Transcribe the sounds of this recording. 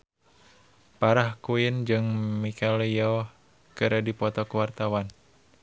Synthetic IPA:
paɾahkuind͡ʒɨŋmikʰaliɔ | kɨɾədipɔt̪ɔkəwart̪awan

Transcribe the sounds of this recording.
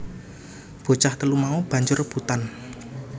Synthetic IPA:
b̥o̤t͡ʃaht̪əlumaub̥ä̤ɲd͡ʒʊrb̥ut̪an

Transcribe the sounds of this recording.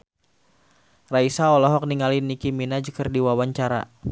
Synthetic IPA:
raisaɔlɔɦɔk̚niŋalinikiminad͡ʒəkərdiwawaɲt͡ʃaɾa̰

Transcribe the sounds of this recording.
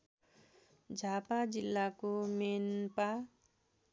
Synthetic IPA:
d͡zʱapad͡zilːakomenpa

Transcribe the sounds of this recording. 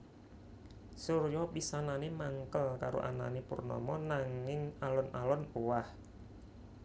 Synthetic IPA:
surjɔbisananemaŋkəlkaɾo̰ʔana̰nepurnɔ̰mɔnaŋɪŋalɔnʔalɔnuwah

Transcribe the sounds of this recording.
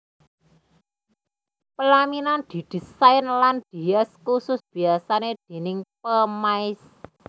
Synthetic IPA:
pəlaminand̪̥i̤d̪̥i̤saɪnland̪̥i̤ɛskusʊsb̥i̤asaned̪̥e̤nɪŋpəmaɪs

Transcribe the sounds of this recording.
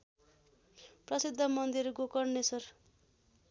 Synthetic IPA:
prʌsid̪ʱːʌmʌnd̪irɡokʌrnesʌr

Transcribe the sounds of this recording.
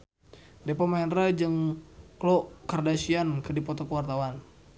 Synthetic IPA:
dɛpɔmaɛnrad͡ʒɨŋklɔkardasiankɨdipɔt̪ɔkəwart̪awan

